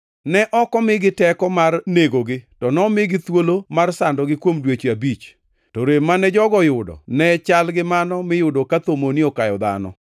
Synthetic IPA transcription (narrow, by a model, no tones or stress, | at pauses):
nɛʔɔkɔmɪɡɪtɛkɔmarneɡoɡɪtɔnɔmɪɡɪt̪wolomarsandɔɡɪkwomdwet͡ʃiabit͡ʃ | tɔɾemanɛd͡ʒɔɡɔjʊdɔ̰nɛt͡ʃalɡɪmanɔmɪjʊdokat̪omonɪokajɔd̪a̰nɔ̰